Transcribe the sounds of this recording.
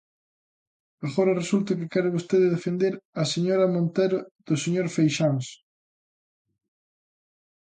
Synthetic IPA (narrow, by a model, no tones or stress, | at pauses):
aɣoɾɐresult̪ʊkɪkɛɾɪβost̪eðɪðefend̪eɾɐseɲoɾɐmõnt̪ɛɾʊð̥ʊseɲoɾfejʃaŋs